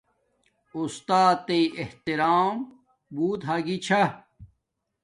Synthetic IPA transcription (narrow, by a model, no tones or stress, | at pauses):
ust̪aːt̪ːeieht̪iɾaːm | buːt̪ɦaːɡit͡ɕʰɐ